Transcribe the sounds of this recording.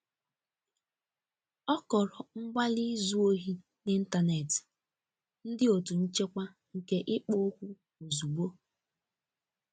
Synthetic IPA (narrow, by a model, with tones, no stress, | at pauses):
ɔ˦kɔ˨ɾɔ˨ŋ͡m̩˦ɡ͡ba˦li˦zu˦o˦ɦi˦ | nɪ˦n̩˦ta˨ne˨ti̥˨ | n̩˦dɪ˦o˨tu˨n̩˦t͡ʃe˦kʷa˦ | ŋ̩˨ke˦ʔɪ˦k͡po˦kʷu˦ | o˨zu˨ɡ͡bo˦